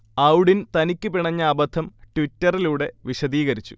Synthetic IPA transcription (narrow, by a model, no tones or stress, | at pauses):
ɐwɽint̪ɐnikʲːɨpiɳɐɲːɐːbɐd̪ʱʰɐmʈʋitːɐriluːɽe̞ʋiɕɐd̪iːɣɐɾit͡ɕːu̥̰